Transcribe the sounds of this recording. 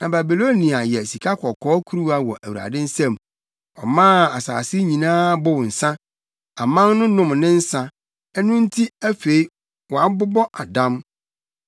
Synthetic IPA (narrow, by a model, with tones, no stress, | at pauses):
nã˨ba˨bi˨lo˦nĩ˨a˨jɛ˨si˨kʰa˦kʰɔ˨kʰɔː˦kʰu˦ɾu˦a˦wɔ˨ʔæ˨wu˨ɾa̰˨dɪ˦n̩˦sɛ̃˦˨m | ɔ̰˨mãː˦˨a˨sa̰ː˨sɪ˦ɲĩ˨nãː˦bʊ˦wʊ̃˨n̩˨sã˦ | a˨mã˦nnʊ̃˦nʊ̃˦˨mnɪ̃˦n̩˦sã˦ | ɛ˦nʊ̃˦n̩˦tʰi˦æ˦fe˨˦i˦ | wɔ˨a˨˦bʊ˦bɔ˦ʔa˨dã˦m